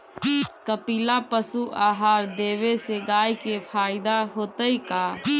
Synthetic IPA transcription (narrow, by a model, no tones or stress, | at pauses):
kəpiːlapəsuʔaːɦaːɾd̪eːʋeseɡaːjkepʰaːɪd̪aɦoːt̪əikaː